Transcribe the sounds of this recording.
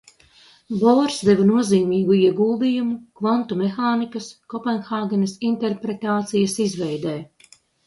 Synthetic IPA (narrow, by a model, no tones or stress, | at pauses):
bɔːɾsd̪evanuɔziːmiːɡuiɛɡuːlˠd̪iːjumukvant̪umexaːnikɐskɔpɛnxaːɡɛnɐsint̪eɾpɾet̪aːt̪sijɐsizvɛjd̪ɛː